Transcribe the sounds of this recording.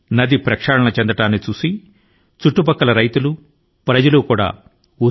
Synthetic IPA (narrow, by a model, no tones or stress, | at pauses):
nɐd̪ipɾɐkʂaːɽɐɳɐt͡ʃend̪ɐʈaːnːit͡ʃuːsi | t͡ʃuʈːupɐkːɐlɐɾɐjt̪ulu | pɾɐd͡ʒɐlukuːɽa̰ː | u